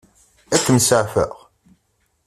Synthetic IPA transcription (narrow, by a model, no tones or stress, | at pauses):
ækːəmsəʕfə̰ʁ